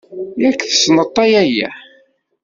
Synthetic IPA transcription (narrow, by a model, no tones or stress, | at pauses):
jækːθə̥snət̪ˤːɑjæjæ̰